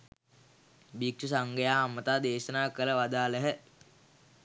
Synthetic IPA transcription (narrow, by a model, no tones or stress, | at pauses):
bik̚t͡ʃusaŋɡəjaːɦamːət̪aːd̪eːʃənaːkələʋad̪aːləɦə